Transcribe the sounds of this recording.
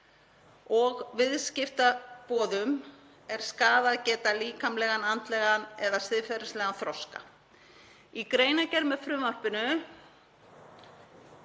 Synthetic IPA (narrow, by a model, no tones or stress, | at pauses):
ɔɣvɪðscɪft̪apɔːðʏm | ɛɾ̥skaːðaðcɛːt̪aliːkamlɛːɣanant̪lɛɣanɛðasɪðfɛɾɪ̥slɛɣanθɾɔwska̰ | ikɾeːjnacɛɾmɛðfɾʏmar̥pɪnʏ